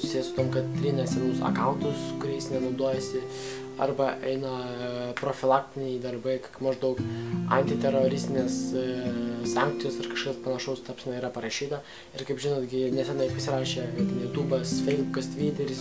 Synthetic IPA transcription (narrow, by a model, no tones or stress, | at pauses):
sʊ̥sʲiːjɛsʊ̥t̪oːmkɐt̪̚t̪ʲɾʲiːnʲɐsʲɛnʊsɐ̰kɐʊnt̪ʊskʊɾʲɛɪsnʲɛnɐʊd̪oːjɛsʲɪ | ɐ̰rbɐʔɛɪnɐpɾoːfʲɪlˠɑːk̚t̪ʲɪnʲɛɪd̪ɐrbɐɪkɐkmɐʒd̪ɐʊkɐ̰nʲt̪ʲɪt̪ʲɛɾoːɾʲɪsʲt̪ʲɪnʲeːs | sɑŋk̚t̪sʲɪjoːsɐrkɐʃkɐspɐnɐʃɐʊst̪ɐpsʲɛnɐɪiːɾɐpɐɾɐʃʲiːt̪ɐ | ɪɾkɐɪpʒʲɪnoːd̪ɡʲɪnʲɛsʲɛnɐɪpɐsʲɪɾɑːʃʲeːt̪ʲɛnjuːt̪uːbɐsfʲɛɪzbʊkɐst̪ʲʋʲiːt̪ʲɛɾʲɪs